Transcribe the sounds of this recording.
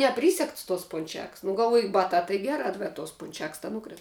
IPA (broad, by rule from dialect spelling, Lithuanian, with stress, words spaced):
nʲɛˈpʲrʲiːsʲɛkts toːs pʊnʲˈt͡ʃʲɛks nʊ ɡɐlˠˈʋoːjʊ ˈbɑːtɑː tɐɪ ˈɡʲæːrɑː bʲɛt toːs ˈpʊnʲt͡ʃʲɛks tɐ ˈnʊkrʲɪs